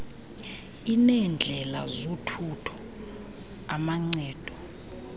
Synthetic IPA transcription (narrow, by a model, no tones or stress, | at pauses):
inɛnd͡ɮʱɛla̰zotʰutʰɔ̥ | amaŋ͡ǀɛːd̥ʱɔ